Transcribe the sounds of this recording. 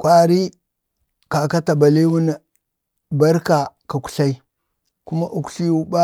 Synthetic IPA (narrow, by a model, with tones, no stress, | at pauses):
kʷwa˨ɾi˦ | ka˨ka˦ta˨ba˨li˦wu˦n˨ | ba˦ɾka˨ka˨ku̥˨ɬa˦i˦ | ku˦ma˦ʔu˨ku̥˦ɬi˦wu˦ba˦